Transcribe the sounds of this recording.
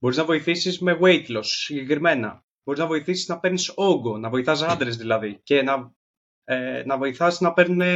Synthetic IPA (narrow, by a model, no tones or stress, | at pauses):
bo̞ɾiznɐvo̞iθisizme̞ɣwe̞jt̪lo̞sːiɲɟe̞kɾime̞nɐ̰ | boɾiznɐvo̞iθisiznɐpe̞ɾniso̞ɡo̞nɐvo̞iθɐs̬ɐnd̪ɾe̞zðilɐðice̞nɐ | enɐvo̞iθɐsnɐpe̞ɾne